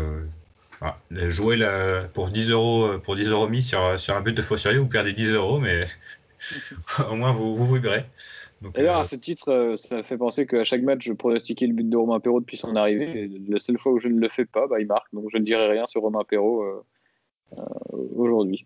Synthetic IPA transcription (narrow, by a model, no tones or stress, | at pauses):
ø | fa̰ʒuelapuʁd̪izøʁoøpuʁd̪izəʁomis̬yʁsyʁɛ̃byt̪̚d̪əfostyʁjevupɛʁd̪ed̪izøʁomɛ | omwɛ̃vuvuvulibʁed̪ɔ̃kd̪jœʁasət̪it̪χøsafɛpɑ̃sekəaʃakmat͡ʃʒəpχɔnɔst̪ikʲɛləbyt̪̚d̪əʁɔmɛ̃peʁod̪əpɥisɔ̃naʁiveːlasœlfwauʒənələfɛpabailmaʁk̚d̪ɔ̃kʒənəd̪iʁɛʁjɛ̃syʁːɔmɛ̃peʁoø | ø̰oʒuʁd̪ɥi